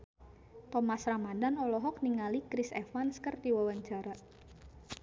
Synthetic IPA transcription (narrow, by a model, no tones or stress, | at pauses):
t̪ɔmasɾamandanɔlɔɦɔk̚niŋalikɾisɛ̰fanskərdiwawaɲt͡ʃaɾa